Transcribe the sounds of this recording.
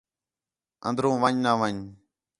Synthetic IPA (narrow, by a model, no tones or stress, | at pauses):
ə̰̃nd̪ɾõːʋəɲnaːʋəɲ